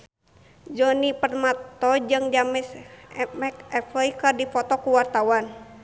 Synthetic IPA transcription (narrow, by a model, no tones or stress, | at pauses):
d͡ʒɔnipərmat̪ɔd͡ʒɨŋd͡ʒamɪsmɛkɛfəikɨrdifɔt̪ɔkuwart̪awan